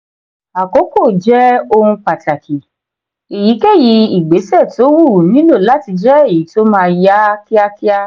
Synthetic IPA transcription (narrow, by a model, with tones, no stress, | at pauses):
a˨ko˨˦ko˦˨d͡ʒɛ˦o˧hũ˧k͡pa˨ta˨kʰi˨ | e˨ji˨˦ke˦˨ji˨˦i˨ɡ͡be˨˦sɛ˦˨to˨˦wu˦˨nĩ˨˦lo˦˨la˨˦ti˧d͡ʒɛ˦e˦˨ji˨˦to˦mãː˦˧ja˦ki˦a˦ki˦a˦